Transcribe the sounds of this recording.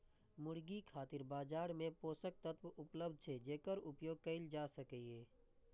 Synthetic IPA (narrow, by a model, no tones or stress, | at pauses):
mʊɽɡikʰaːt̪ɪɾbaːd͡ʒaːɾmẽpoːsək̚t̪ət̪wʔʊpləb̚d̪̚ʱt͡ʃʰed͡ʒeːkəɾʊpjoːɡ̚kəɪld͡ʒaːsəkeː